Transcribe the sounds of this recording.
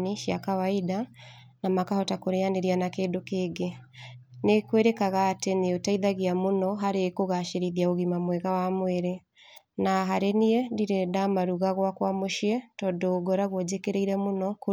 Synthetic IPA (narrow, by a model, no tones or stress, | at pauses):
niʃjakawaida | namakahɔtakoɾeaneɾianakeːdokeːɡe | nekweɾekaɣaːteneotaiðaɣiamonɔɦaɾekoɣaʃeɾiðiaoɣimamwɛɣawamweɾe | naɦaɾeniɛndiɾedamaɾuɣaɣwakwamoʃiɛtɔdoːɡɔɾaɣwɔd͡ʑekeɾeiɾɛmonɔko